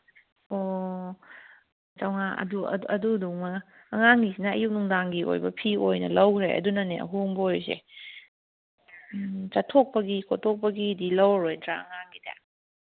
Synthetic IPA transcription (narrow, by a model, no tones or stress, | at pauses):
o | t͡ʃawŋaʔɐ̰duɐ̰ɐ̰duduŋmɐː | ŋaŋːisinɐɐ̰juk̚nuŋdaŋɡiʔo̰jbɐpʰiojnɐ̰lɐwɾḛɐ̰dunɐneɐ̰ɦuŋbojzḛ | t͡ʃatʰok̚pɐɡikʰotʰok̚pɐɡidilɐwɾojdɾa̰ɐŋaŋɡida̰